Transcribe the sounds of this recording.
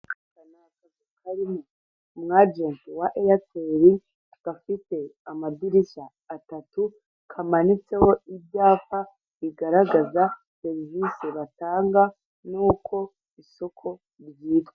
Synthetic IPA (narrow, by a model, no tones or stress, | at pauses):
kanakazukʰaɾimo | mŋad͡ʒentiwaʔejat͡seɾi | ɡ̥afite̞amadiɾiʃaː | tatu | kʰamanit͡se̞ho̞ibjaːfa | βiɡaɾaɡaza | seɾiviseβataːŋɡa | nuːkʰo̞ | iso̞kʰo̞ | ɾjiːtwee